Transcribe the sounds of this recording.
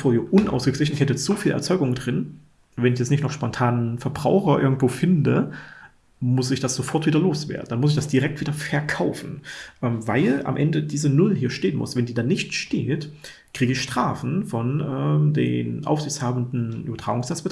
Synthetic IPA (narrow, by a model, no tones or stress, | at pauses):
foːɐhiːɐʔʊnʔa̰ʊsɡ̥əkl̥ɪç̬n̩ɪçhɛtət͡sofiːlʔɛ̰ɐt͡sɔʏɡʊŋdʁɪn | vɛnɪçjɛt͡snɪçtnɔχʃpɔntʰaːnfɛɐbʁaʊxɐʔɪ̰ɐɡŋ̩tv̥oːfɪndə | mʊsɪçd̥asz̥ofɔɐtv̥iːdɐloːsv̥ḛːɐdn̩d̥anmʊs̬ɪç̬d̥asd̥iʁɛk̚tv̥iːdɐfɛɐkʰaʊfn̩ʔɛːmvaɪla̰mʔɛ̰ndədiːzənʊlɦiːɐʃteːənmʊ̰svɛndiːdaːnɪçtʃtḛːt | kʁ̥iːɡəɪçʃtʁ̥aːfn̩fɔnʔɛːmdḛːnʔa̰ʊfz̥ɪçt͡shaːbn̩dn̩ʔy̰bɐtʁ̥aːɡʊŋsnɛt͡ssb̥ət